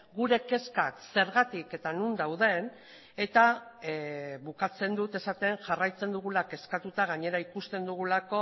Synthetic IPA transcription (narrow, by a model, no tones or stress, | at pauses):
ɡuɾe̞ke̞skakse̞ɾɣat̪ike̞t̪anund̪awðe̞n | e̞t̪a | βukat͡se̞nd̪ut̪e̞sat̪e̞ŋʝarajt͡se̞nd̪uɣ̞ulake̞skat̪ut̪aɣ̞aɲe̞ɾaikust̪e̞nd̪uɣ̞ulako̞